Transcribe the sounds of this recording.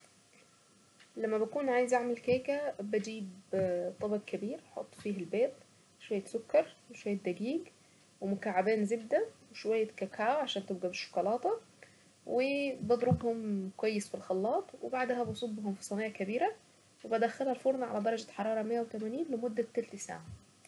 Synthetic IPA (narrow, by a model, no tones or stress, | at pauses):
læmːæbækuːnʕaːjezʔaʕmælkæːkæbæd͡ʒiːbt̪ˤɑbɑɡkæbiːɾħo̰t̪ˤːfiːɦælbæːt̪ | ʃwæjːæsokːɑɾˤweʃowæjːæd̪æɡiːɡ | wemʊkaʕːabæːnzebd̪æweʃwæjːækækaːwʕaʃæːnt̪ɪbɡæbɪʃːo̥kɑlɑːt̪ɑ | webɑd̪ɾobhʊmkwæjːesfilxɑlːɑːt̪ˤwebaʕd̪hæbɑsˤobːhʊmfi̥sˤɑnɑːjakæbiːɾæ | webæd̪æxːælhælfoɾˤnʕa̰læd̪ɑɾˤɑɡæħɑɾˤɑːɾˤɑmejːæwet̪æmæniːnlemʊd̪ːæt̪ːælt̪ɪsa̰ʕa